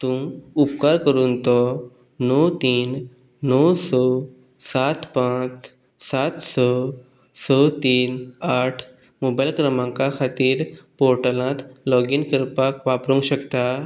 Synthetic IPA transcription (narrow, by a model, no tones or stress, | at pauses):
t̪ũupkaɾkəɾuːnt̪ɔ | nɔwt̪iːnː | ɔwsɔ | sat̪pãt͡s | sat̪sɔ | sɔt̪iːnaʈʰ | mobajlkɾəmãŋkakʰat̪iːɾpɔɾʈəlãt̪lɔɡinkəɾpakʋapɾũŋɡɕəkt̪a